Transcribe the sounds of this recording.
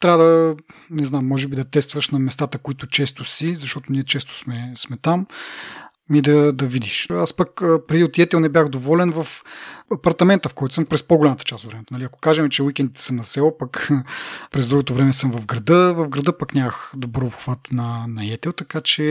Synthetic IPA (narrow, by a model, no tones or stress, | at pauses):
t̪ɾavəd̪ənɛznamːɔʒɛbid̪ɐt̪ɛst̪vəʃnɐmɛst̪at̪əkoit̪ʊt͡ʃɛst̪ʊsizɐʃt̪ɔt̪ʊniɛt͡ʃɛst̪o̥smɛsmɛt̪am | mid̪ɐd̪ɐvid̪iʃaspəkəpɾɛd̪iot̪ɛt̪ɛlˠnɛbjaxd̪ovɔlɛnvɐfɐpɐɾt̪ɐmɛnt̪əfkɔjt̪o̥səmpɾɛspoɡolʲamɐt̪ə̥t͡ʃasod̪vɾɛmɛt̪onɐliɐko̥kaʒɛmɛt͡ʃɛwikʲɛnd̪it̪ɛ̥səmnɐsɛlˠpɐk | pɾɛzd̪ɾuɡot̪ovɾɛmɛsɤmvɐvɡɾɐd̪ɤvɐvɡɾɐd̪ɤpɐknʲamɐxd̪obɾɔopxvat̪onɐnɐɛt̪ɛlˠt̪ɐkat͡ʃɛ